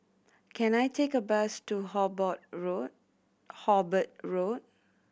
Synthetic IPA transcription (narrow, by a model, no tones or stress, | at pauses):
kʰɛ̃najtʰekəbastuhɔbɔt̚ɹo | hɔbət̚ɹot̚